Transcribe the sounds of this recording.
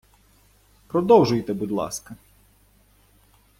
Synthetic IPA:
pɾɔd̪ɔwʒʊjt̪ɛbʊd̪ʲlˠɑ̰skɐ

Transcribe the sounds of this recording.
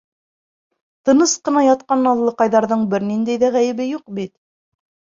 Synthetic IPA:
t̪ɤ̆nɤsqɤ̆nɑjɑt̪̚qɑnɑlˠlːˠɤqɑjðɑɾðɤɴbɘɾnind̪æjðæʁæjɘ̆βɘjuq̚bit̪̚

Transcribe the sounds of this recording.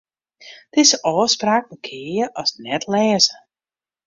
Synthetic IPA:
d̥ɪzəʔɔːspraːk̚məkʰɪːjəʔɔsnɛtlɛːzə

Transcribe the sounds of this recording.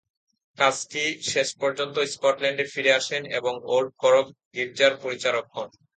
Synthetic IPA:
kaskiʃeʃpɔɾd͡ʑont̪oskɔʈlɛɳɖeɾfiɾeaʃenḛboŋolɖ̚kʰɔɾokɡiɾd͡ʑaɾpoɾit͡ɕaɾok̚ːɔn

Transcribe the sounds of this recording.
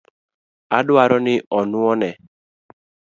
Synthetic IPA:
adwaɾɔnɪʔɔnʊɔnɛ

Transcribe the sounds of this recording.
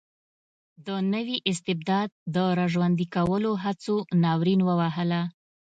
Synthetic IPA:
d̪ənəwiʔɪs̬t̪ɪb̚d̪ɑd̪̚ːəɾaʒwand̪ikawəloɦat͡sonɑwɾinwəwaɦəla

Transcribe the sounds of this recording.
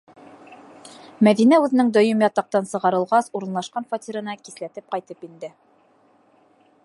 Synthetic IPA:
mæðinæʉðɘ̆nɘŋd̪ɵ̆jɤmjɑt̪ɑq̚t̪ɑnsɤ̆ʁɑɾɤ̆lˠʁɑsuɾɤ̆nlˠɑʃqɑnfat̪ʲiɾɤ̆nɑkiθlæt̪ɘp̚qɑjt̪ɤpind̪ɘ

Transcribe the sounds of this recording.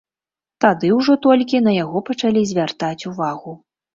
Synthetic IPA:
t̪ad̪ɨwʐɔt̪ɔlʲkʲinɐjaɣɔpɐt͡ʂalʲizʲvʲart̪at͡sʲuvaɣu

